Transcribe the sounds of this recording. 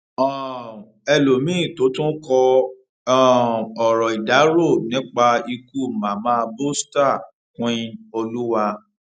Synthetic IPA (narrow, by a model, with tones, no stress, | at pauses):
ɔ˦˨ | ɛ˧lo˨mĩ˨˦˨to˨˦tũ˦kɔ̃˧˦˨ | ɔ˨ɾɔ˨i˨da˨˦ɾo˦˨nĩ˦k͡pa˧i˧ku˦˨mã˨mãː˦˧bo˦sta˦˨ | kũ˦ĩ˧o˧lu˦wa˧